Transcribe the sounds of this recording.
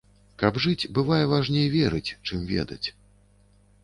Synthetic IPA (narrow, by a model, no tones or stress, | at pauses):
kɐbʐɨt͡sʲbɨvajɛvaʐnʲejvʲɛɾɨt͡sʲt͡ʂɨmvʲɛ̰d̪ɐ̰t͡sʲ